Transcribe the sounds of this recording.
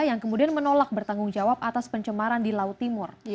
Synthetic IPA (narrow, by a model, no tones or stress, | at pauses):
jaŋkəmudianmənolak̚bərt̪aŋɡʊŋd͡ʒawapat̪aspəɲt͡ʃəmaɾandilautt̪imʊr